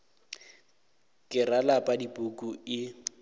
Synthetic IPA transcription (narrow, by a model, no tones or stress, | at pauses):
kʼɪralapʼadipʼukʼuɪ